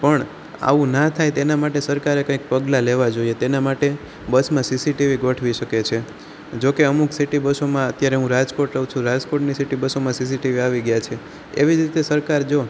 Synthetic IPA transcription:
pəɳ | a̰ʋũnat̪ʰajt̪enamaʈesəɾkaɾekə̃ĩk̚pəɡlaleʋad͡ʒoiet̪enamaʈe | bəsmãsisiʈiʋiɡoʈʰʋiʃəket͡ʃʰe | d͡ʒokeəmuksiʈibəsomãət̪jaɾeɦũɾad͡ʒkoʈɾəũt͡ʃʰũɾad͡ʒkoʈnisiʈibəsomãsis̬iʈiʋiaʋiɡjat͡ʃʰe | eʋid͡ʒɾit̪esəɾkaɾd͡ʒo

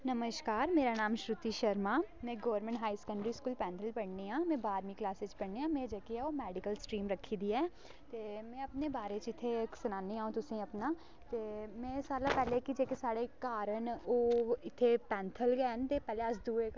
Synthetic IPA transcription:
nəməʃkaːɾmeːɾaːnaːmʃɾʊt̪iːʃəɾmaːmɛ̃ːɡoːəɾmɛ̃ɳʈɦaːisə̥kəɳɖɾiːskuːlpɛ̃ːnt̪ʰəlpəɽniːãːmɛ̃ːbaːɾmĩːklaːseːt͡ʃpəɽneːãːmɛ̃ːd͡ʒeːkiɛːoːmɛːɖɪkəlsʈɾiːmɾəkʰːiːd̪iːɛː | t̪eːmɛ̃ːəpneːbaːɾeːt͡ʃɪt̪ʰːeːsʊnaːniːaːũːt̪ʊsĩːəpnaː | t̪eːmɛ̃ːsaːlãːpɛːleːkid͡ʒeːkesaːɽeːkaːɾəɳoːɪt̪ʰːeːpɛ̃ːnt̪ʰəlɡɛːɦənt̪eːpɛːleːəsd̪uːek

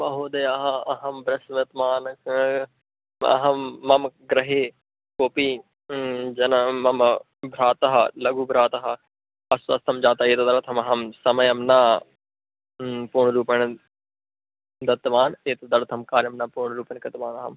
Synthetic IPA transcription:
mɐɦoːd̪ɐjaɦaɐɦɐmbɾɐsʋɐt̪maːn | ɐ̰ɦɐmːɐmɡɾɐɦe | koːpiː | d͡ʒɐnɐmɐm | bʱɾaːt̪ɐɦalɐɡuːbʱɾaːt̪ɐɦa | ɐsɐst̪ʰɐmd͡ʒaːt̪ɐeːt̪ɐd̪ɐɽt̪ʰɐmɐɦɐmsɐmɐjɐmnɐ | poːɳɾuːpɐñ | d̪ɐt̪ʋaːneːt̪ɐd̪ɐɽt̪ʰɐmkaːɾjɐmnɐpuːɳ̃ɾuːpɐnkɐt̪ʋaːnɐɦɐ̰m

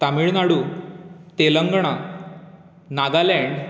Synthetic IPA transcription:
t̪amiɭnaɽu | t̪eləŋɡɳ̃a | nad̪alɛ̃ɳɖ

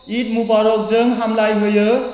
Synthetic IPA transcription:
iʈmupaɾok̚d͡zʌŋɦamlajɦojʌ

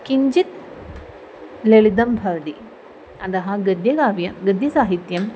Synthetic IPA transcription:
kiɲd͡ʑit̪̚ | leɭid̪ɐmbʱɐɾd̪i | ɐd̪ɐɦɐɡɐd̪jɐɡaːʋjɐɡɐd̪jɐsaːɦit̪jɐm

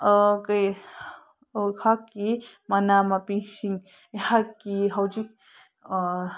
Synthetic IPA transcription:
kəj | okʰakːimɐnamapisiŋehakːiɦɐwd͡ʒik̚

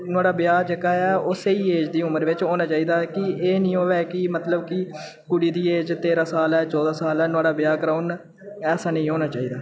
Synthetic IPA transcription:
nʊaːɖaːbɪjaːd͡ʒekaːɛːʊseːiːeːd͡ʒd̪iːʊməɾʋɪt͡ʃɦoːnãːt͡ʃaːiːd̪aːkɪeːnĩːɦoːʋɛːkɪmət̪ləbkɪ | kʊɽiːd̪iːeːd͡ʒt̪eːɾãːsaːlɛːt͡ʃɔːd̪aːsaːlɛːnʊaːɖaːbɪjaːkəɾaʊn | ɛːsaːnĩːɦoːnaːt͡ʃaːiːd̪aː

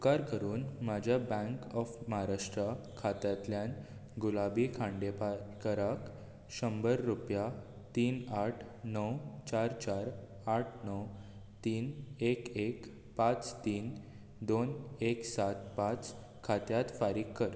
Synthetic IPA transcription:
ukaɾkəɾuːnmad͡ʑʱjabɛ̃ŋkɔfmaɦaɾaʂʈɾə | kʰat̪jat̪ljãn | ɡulabikʰãɳɖepakəɾak | ɕəmbəɾːupja | t̪iːnaʈʰ | nəwt͡ɕaɾt͡ɕaɾ | aʈʰnəw | t̪iːnekek | pãt͡st̪iːn | d̪oneksat̪pãt͡s | kʰat̪jat̪faɾiːkːəɾ

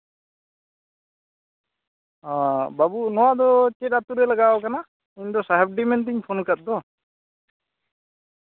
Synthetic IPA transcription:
ãbabunɔwad̪ɔt͡ʃɛtat̪uɾɛlaɡaɔkana | iɲd̪ɔsaɦɛp̚ɖimɛnt̪̬iɲpʰɔnkat̪̚d̪ɔ

